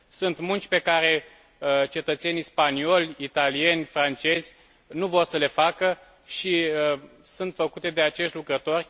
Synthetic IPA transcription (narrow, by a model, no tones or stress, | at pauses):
sunt̪munt͡ʃʲpe̞kaɾe̞ | t͡ʃe̞t̪ət̪se̞nispanio̞lʲit̪alie̞nʲfɾant͡ʃe̞zʲ | nuvo̞rsəle̞fakə | ʃi | sunt̪fəkut̪e̞d̪e̞at͡ʃe̞ʃt̪ʲlukɾət̪o̞rʲ